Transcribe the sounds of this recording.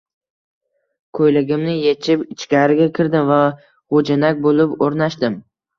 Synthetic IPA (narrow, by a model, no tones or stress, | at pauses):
kʰojlɪɡʲɪmnɪjet͡ʃʰɪpɪt͡ʃkʲaɾɪɡʲakʲʰɪɾd̪ɪmva | χod͡ʒanakʲbolɪpoɾnaʃd̪ɪm